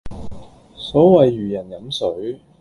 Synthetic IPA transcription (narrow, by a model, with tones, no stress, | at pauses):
sɔː˨˥wɐ˨jɥyː˨˩jɐ˨˩njɐ˨˧˥msɵ˨˥ɥ